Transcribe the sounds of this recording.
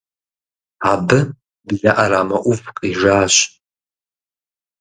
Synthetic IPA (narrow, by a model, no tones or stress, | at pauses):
abɨ | bzaʔaɾaːmaʔʷuvqʼiʒaːɕʷ